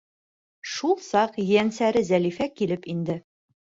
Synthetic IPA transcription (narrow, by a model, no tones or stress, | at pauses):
ʃulˠsɑqjænsæɾɘzælifækilɘpind̪ɘ